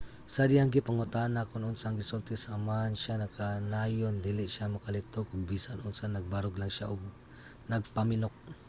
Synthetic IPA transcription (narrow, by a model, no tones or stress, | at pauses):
sɐd̪ɪhaŋɡɪpɐŋʊt̪anakʊnʔʊnsaŋɪsult̪ɛsaːmaʔnʃanɐkanaːjond̪ilɪʃamɐkɐlɪt̪oɡʊɡ̚biːsanʔʊnsanɐɡ̚baɾʊɡlaŋʃaʔʊɡ̚ | nɐɡ̚pɐmɪnok̚